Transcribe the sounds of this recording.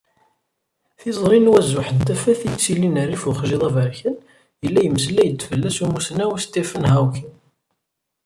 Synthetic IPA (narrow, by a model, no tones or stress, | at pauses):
θizˤɾˤinwæzːʊħənt̪æfæθjt͡sːilinərːifuχʒiðˤɑvəɾçən | jəlːæjəməslæjəd̪ːfəlːæsumusnæwæst̪ifənɦæwkin